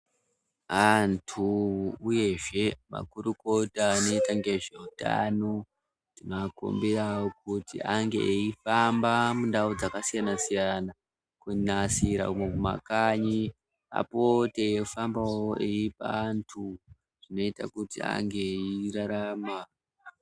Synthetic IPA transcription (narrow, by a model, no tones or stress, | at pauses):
antʰuuje̞ʐe̞ma̰kuɾuko̞tano̞itaŋɡe̞ʐeuta̰no | dimako̰mbiawok̚utḭʔaŋɡḛifambamundaud͡zakasijanasijana | kunasiɾa̰umekuma̰kaɲi | a̰potefambawoʔeipa̰ːntʰu | ʐ̥ino̞ita̰kutia̰ŋɡe̞iraɾama